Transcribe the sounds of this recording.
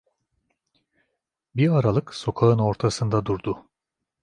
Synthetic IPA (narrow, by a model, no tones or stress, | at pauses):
biɾaɾalˠɯkso̞kʰaɯno̞ɾt̪ʰasɯnd̪ad̪uɾd̪ʊ